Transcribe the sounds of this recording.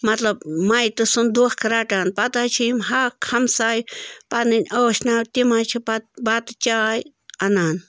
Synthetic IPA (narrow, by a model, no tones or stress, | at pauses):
mat̪labmajt̪usʊnd̪uχkɾaʈanpat̪at͡ʃʰimɦakʰamsajpaninʲawʃnawt̪imajt͡ʃʰipat̪bat̪t͡ʃaj | anan